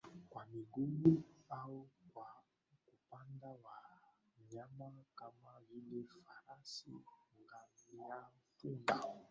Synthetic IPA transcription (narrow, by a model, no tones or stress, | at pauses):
kwamiɡumuawukwa | kupandawa | ɲamakamavilefaɾasḭŋɡaijafunda